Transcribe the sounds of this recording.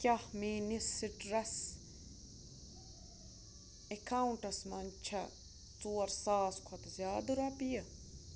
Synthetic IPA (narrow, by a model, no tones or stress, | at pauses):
kʲɐhmiːnisːiʈɾɐs | ekʰaːuɳʈɐsmɐnt͡ʃʰɐ | t͡suːɐɾsaːskʰɐt̪zʲjaːd̪ɨɾɐpijɐ